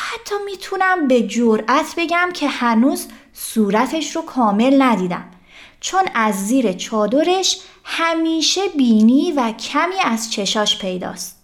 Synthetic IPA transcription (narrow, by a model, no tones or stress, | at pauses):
hæt̪ʰːɒːmiːt̪ʰunæmbe̞d͡ʒoɾʔæt̪ʰbe̞ɟæmcʰe̞hænuːz | suːɾæt̪ʰe̞ʃɾokʰɒːme̞lnæd̪iːd̪æ̰m | t͡ʃʰo̞næzːiːɾet͡ʃʰɒːd̪o̞ɾe̞ʃhæmiːʃe̞biːniːvæcʰæmiːæz̥t͡ʃʰe̞ʃɒːʃpʰe̞jd̪ɒ̰ːst̪